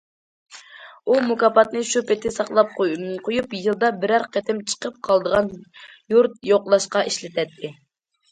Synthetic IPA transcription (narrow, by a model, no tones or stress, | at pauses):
umukɑpɑt̪nɨʃupɪt̪ɪsɑqlˠɑp̚qʰojupjɨlˠd̪ɑbɪɾæɾqɛt̪ʰɪmt͡ʃʰə̥qəp̚qʰɑlˠd̪əʁɑnjuɾt̪̚joqlˠɑʃqɑʔiʃlɪt̪ʰɛt̪ʰːɪ